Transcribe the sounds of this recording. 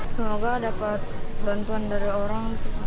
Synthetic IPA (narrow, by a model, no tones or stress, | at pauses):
səmoɡadapat̪̚bant̪uandaɾioɾaŋ